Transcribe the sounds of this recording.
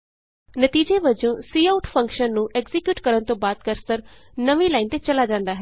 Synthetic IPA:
nət̪iːd͡ʒeʋəd͡ʒõːsiːaʊʈfʰə̃ŋkʃənːũːʔɛɡzɪkjuːʈkəɾənt̪õːbaːd̪̚kəɾsəɾ | nəʋĩːlaːint̪et͡ʃəlaːd͡ʒãːnd̪aːɦɛː

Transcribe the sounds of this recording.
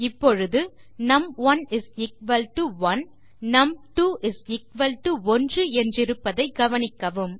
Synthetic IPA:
ɪpːɔɻɯðɯ | nɐmʋɐnɪsɪk̚ʋɐlʈuʋɐn | nɐmʈuːʔɪsɪkʋɐlʈɯɔndrɯɛndrɪɾɯpːɐðɐɪɡɐʋɐnɪkːɐʋɯm

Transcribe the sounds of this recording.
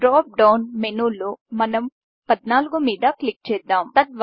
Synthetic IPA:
ɖɾaːp̚ɖɐwnmenuːloːmɐnɐm | pɐd̪naːluɡumiːd̪ɐklik̚t͡ʃɛːd̪ːaːmt̪ɐt̪̚ʋ

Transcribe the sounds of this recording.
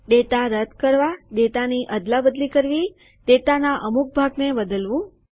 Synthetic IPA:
ɖet̪aɾəd̪kəɾʋaɖet̪aniʔəd̪labəd̪likəɾʋi | t̪et̪anaʔəmuk̚bʱaɡnebəd̪əlʋũ

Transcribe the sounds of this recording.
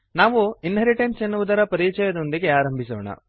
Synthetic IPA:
naːʋuinɦɐɾiʈensenːuʋud̪ɐɾɐpɐɾiːt͡ʃɛjɐd̪ond̪iɡe̞aːɾɐmbʱisɔ̰ːɳɐ̰

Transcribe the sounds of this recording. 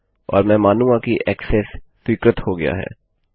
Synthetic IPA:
ɔ̰ːɾmɛ̃ːmaːnũãkiʔɛːkseːssɪkɾət̪hoɡɐja̰ɦɛ̰ː

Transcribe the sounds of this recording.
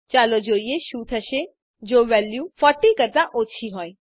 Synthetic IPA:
t͡ʃaːlod͡ʒoːieʃuːt̪ʰəʃe | d͡ʒoːʋɛljufɔʈːikəɾd̪aʔoːt͡ʃʰiɦɔːj

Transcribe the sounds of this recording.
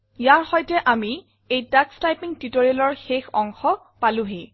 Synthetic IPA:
jaɹxɔjtɛʔami | ejtakstajpiŋtitoɹialɔɹxexɔŋxɔ | palʊɦe

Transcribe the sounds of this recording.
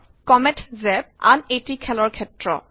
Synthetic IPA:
kɔmɛtʰzɛb̚a̰netikʰɛlɔɹkʰɛtɹɔ̰

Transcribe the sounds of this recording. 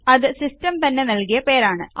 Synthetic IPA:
ɐðɨsistɐmt̪ɐnːenɐlkijɐpe̞ːɾaːɳɨʔ

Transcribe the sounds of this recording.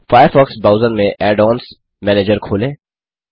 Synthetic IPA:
faːjəɾfɔːksbaːʊzənmẽʔɛːɖɔːns | mɛːneːd͡ʒəɾkʰoːlẽː

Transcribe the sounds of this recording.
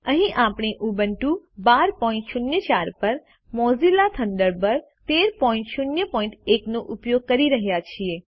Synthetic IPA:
əɦĩʔapɳiʔubəɳʈubaɾpɔɪ̃ɳʈʃunjət͡ʃaɾpəɾ | mɔzilat̪ʰəɳɖəɾbəɾ | t̪eɾpɔĩɳʈʃunjəpɔĩɳʈeknoʔupjoɡ̚kəɾiɾəɦjat͡ʃʰie

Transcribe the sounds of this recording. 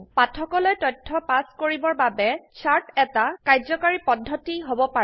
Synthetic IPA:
patʰɔkɔlojtɔjtʰːɔpaskoɹibɔɹbabɛt͡ʃʰaɹtɛtakajzɔkaɹipɔdʱːɔtiɦobɔpaɛ

